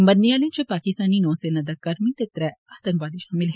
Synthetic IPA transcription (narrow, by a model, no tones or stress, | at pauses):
mbɐnːiaːlẽnt͡ʃopaːkɪst̪aːninɔ̃ːsenɐd̪ɐkːɐɾmilt̪ɪt̪ɾɛaːt̪ɐ̃ŋkʋaːd̪iʃaːmɪlɦ